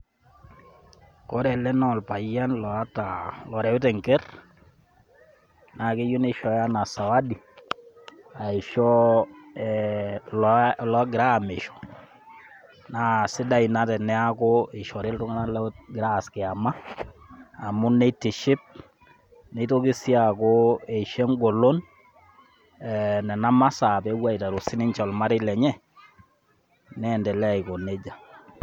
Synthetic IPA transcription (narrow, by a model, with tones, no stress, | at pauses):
kɔ˦ɾɛ˨lɛ˦nɔ˦˨lpa˨ja˦nlɔ˨a˦talɔ˨ɾɛ˨ʊ˦tɛ˨ŋkɛ˦r | na˨kɪ˦ju˦nɪ˦ʃɔ˨ja˦na˨sa˨wa˦di˨ | a˨ɪ˨ʃɔ˦ɛllɔ˨˦ɡɪ˨ɾa˦˨mɪ˨ʃɔ̥˨ | na˦sɪ˦da˦ɪ˨na˦tɛ˨nːɛ˦a˦kʊ˦e˨ʃɔ˨ɾe˦ltʊ˦ŋa˦na˦lɡɾa˦˨skɪ˨a˨maː˦˨ | mʊ˦ne˦ti˨ʃɪ˦p̚ | ne˨˦to˦kɪ˦si˦a˨ko˦e˨ʃe˦ŋɡo˨lo˦n | ɛ˨nɛ˨na˦ma˦sa˨pe˦wa˦i˨ta˨ɾo˨sɪ˦nɪ˦ɲt͡ʃɔ˨lma˦ɾɪ˦lɛ˨ɲɛ˦ | nɛː˦˨ndɛ˨lɛ˦a˨i˨ko˨ne˦d͡ʒa˨